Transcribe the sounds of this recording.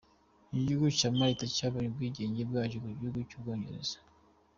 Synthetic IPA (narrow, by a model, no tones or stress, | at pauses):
iɟuɡut͡ʃamaitacaːβaɲubɡwiːɟeːɲɟebɡaːɟuɡuɟuɡut͡ʃubɡoːɲɟḛɾez̥ḁ